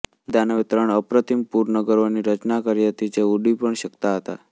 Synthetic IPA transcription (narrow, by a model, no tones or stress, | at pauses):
d̪ʱanəʋɪt̪ɾəɳəpɾət̪ʰimpuɾnəɡəɾoniɾət͡ʃnakəɾiɦət̪id͡ʒeuɖipəɳʃəkt̪aɦət̪a̰